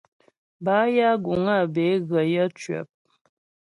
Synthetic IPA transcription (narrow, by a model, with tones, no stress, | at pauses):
ba˨˦ja˦ɡu˨ŋa˦˨be˨˦ɣə˨jə˦t͡ʃɥə̰˨p̚